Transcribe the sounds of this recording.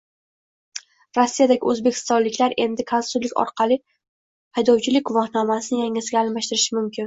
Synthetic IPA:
ɾosːijad̪aɡʲɪ̰ɵzbe̞kʲʰɪ̥st̪ɒnlɪkʲlaɾe̞nd̪ɪkʰanʊlɪkʲɒ̰ɾqʰɑlˠɪ | hajd̪ɒwt͡ʃʰɪlɪk̚ʲvɒhnamasɪnɪjaŋɪzɪɡʲaːlˠmaʃt̪ɪɾɪʃɪmʊmkʲʰɪn

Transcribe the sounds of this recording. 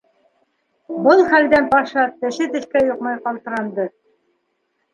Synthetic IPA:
bɤlˠχæld̪ænpɑʃɑt̪ɘ̆ʃɘt̪ɘ̆ʃkæjŏqmɑjqɑlˠt̪ɤ̆ɾɑnd̪ɤ

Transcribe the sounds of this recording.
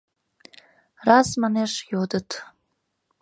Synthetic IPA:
razmaneʂjodɨtʰ

